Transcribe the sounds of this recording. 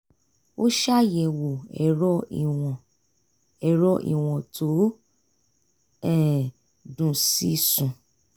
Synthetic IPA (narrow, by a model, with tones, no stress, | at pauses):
o˦ʃa˦˨jɛ˨wo˨ɛ˨ɾɔ˦i˨ɔ̃˨ | ɛ˨ɾɔ˦ʔḭ˨w̃ɔ̃˨to˨˦ | ɛ˦˨ | dũ˨si˦sũ˨